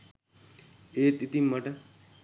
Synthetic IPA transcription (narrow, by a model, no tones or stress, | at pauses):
eːt̪it̪imɐʈɐ